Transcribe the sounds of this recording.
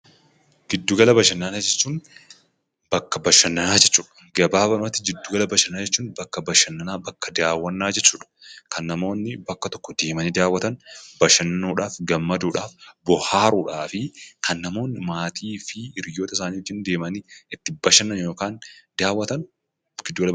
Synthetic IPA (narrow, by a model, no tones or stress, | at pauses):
ɡɪd̪ːuːɡɐlɐbɐʃɐnːɐnaːd͡ʒɛt͡ʃːuːn | bɐkːɐbɐʃɐnːɐnaːd͡ʒɛt͡ʃːuːᶑɐ̥ɡɐbaːbɐnʊmɐt̪ːɪɡɪd̪ːuːɡɐlɐbɐʃɐnaːd͡ʒɛt͡ʃːuːnbɐkːɐbɐʃɐnːɐnaːbɐkːɐd̪aːwːɐnːaːd͡ʒɛt͡ʃːuːᶑɐ̥kʰɐnːɐmo̞ːnːɪbɐkːɐt̪ɔ̥kːɔd̪e̞ːmɐniːd̪aːwːɐt̪ɐnbɐʃɐnːuːᶑaːfɡɐmːɐd̪uːᶑaːfbɔhaːɾuːᶑaːfɪkʰɐnːɐmo̞ːnːɪmaːt̪iːfɪɪɾjo̞ːt̪ɐɪsaːniːɔd͡ʒːɪːnd̪e̞ːmɐniɪt̪ːɪbɐʃɐnːɐnjoːkaːnd̪aːwːɐt̪ɐn | ɡɪd̪ːuːɡɐl